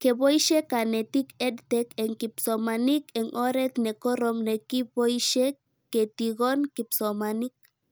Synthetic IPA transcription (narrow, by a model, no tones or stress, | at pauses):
kebojʃekanet̪iked̪t̪ekeŋkipsomanikeŋʔoɾet̪nekoɾomnekibojʃekː | et̪iɡonkipsomanik̚